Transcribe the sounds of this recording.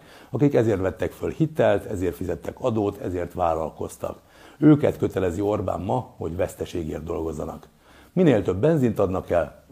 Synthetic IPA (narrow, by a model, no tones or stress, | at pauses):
ɒkikɛzeːrt̪ʋɛt̪ːɛkfølhit̪ɛlt̪ɛzeːrt̪fizɛt̪ːɛkɒd̪oːt̪ʰɛzeːrt̪ʋaːlɒ̰lko̞st̪ɒ̰k | øːkɛ̰t̪køt̪ɛlɛzio̞rba̰ːmːɒho̞ɟʋɛst̪ɛʃeːɡḛːrt̪d̪o̞lɡo̞zːɒnɒk | mineːlt̪ø̞bːɛnzint̪ɒd̪nɒkɛl